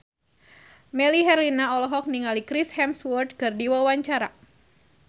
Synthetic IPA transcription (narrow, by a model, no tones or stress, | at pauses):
mɛliɦɛrlinaɔlɔɦɔk̚niŋalikɾishɛmswɔrd̪̚kɨrdiwawaɲt͡ʃaɾa